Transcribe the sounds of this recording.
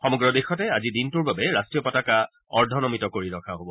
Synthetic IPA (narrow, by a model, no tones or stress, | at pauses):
xɔmɔɡɹɔdexɔtɛazidintuɹbabɛɹastɹiɔpɔtaka | ɔɹdʱɔnɔmitɔkoɹiɹɔkʰaɦobɔ